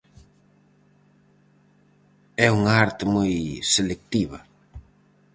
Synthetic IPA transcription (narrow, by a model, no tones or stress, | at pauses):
ɛuŋaaɾt̪ɪmojselek̚t̪iβɐ